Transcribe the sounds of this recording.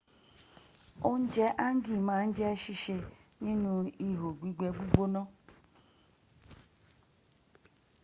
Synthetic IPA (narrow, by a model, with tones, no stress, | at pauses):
o˦n̩˦d͡ʒɛ˦ʔa˦ŋ̩˦ɡi˦˨mã˨˦n̩˦d͡ʒɛ˦ʃi˦ʃe˧nĩ˦nũ˧i˦ɦo˨ɡ͡bʷi˦ɡ͡be˨ɡ͡bu˦ɡ͡bo˦nɔ̃˦